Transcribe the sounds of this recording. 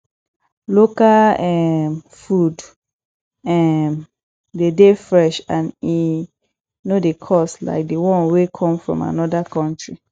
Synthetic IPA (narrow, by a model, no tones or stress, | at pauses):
lokalɛm | fud | ɛm | dedefɹɛʃãni | nodekʰɔsla̰ɪk̚dewɔ̃nwekʰɔ̃mfɹɔ̰̃ma̰nɔdakʰɔ̃ntɹi